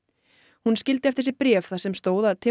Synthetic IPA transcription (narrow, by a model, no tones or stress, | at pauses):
hunscɪlt̪ɪɛft̪ɪɾsɪɾpɾjɛːfθasɛmst̪oːwðaðt̪ʰɪ